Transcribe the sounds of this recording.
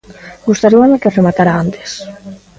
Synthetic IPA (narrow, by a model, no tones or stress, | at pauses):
ɡust̪aɾiaðakeremat̪aɾaant̪e̥s